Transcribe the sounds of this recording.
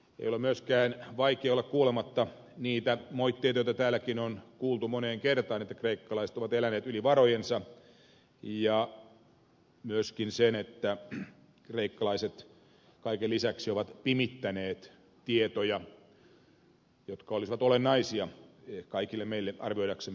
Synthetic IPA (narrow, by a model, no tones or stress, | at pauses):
ḛjolemyøskæːnʋɑikeolːɑkkuːlemɑt̪ːɑ | niːt̪æmoit̪ːeit̪ɑjot̪ɑt̪æːlækinonkuːlt̪umoneːŋkert̪ɑːnet̪ːækreikːɑlɑise̥t̪oʋɑt̪elæneːt̪yliʋɑrojensɑ | jɑ | myøskinsenet̪ːæ | kreikːɑlɑiset̪ | kɑikelisæksioʋɑt̪pimit̪ːæneːt̪ | t̪iet̪ojɑ | jot̪kɑolisiʋɑt̪olenːɑisiɑ | kɑikilːemeilːeʔɑ̰rʋioidɑksemː